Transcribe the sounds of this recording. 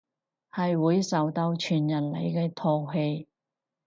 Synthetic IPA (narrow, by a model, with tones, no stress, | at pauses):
hɐ˨jwuː˨˥jsɐ˨wt̪ɐ˧wt͡ʃʰyː˨˩njɐ˨˩nle˨˩jkɛː˧t̪ʰɔː˧ɦe˧j